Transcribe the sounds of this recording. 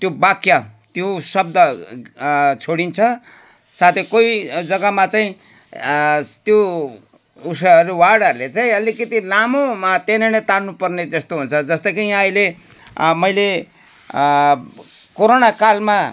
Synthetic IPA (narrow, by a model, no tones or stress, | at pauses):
t̪jobakjat̪josʌb̚d̪ʌ | t͡sʰoɽint͡sʰʌ | sat̪ʰekojd͡zʌɡʌmat͡saĩ | t̪jo | usʌʌɾuwaɽʌɾulet͡saĩʌlikʌt̪ilamomat̪enenʌt̪annupʌrned͡zʌst̪oɦunt͡sʰʌd͡zʌst̪ʌkijãʌjle | mʌjle | koɾonakalma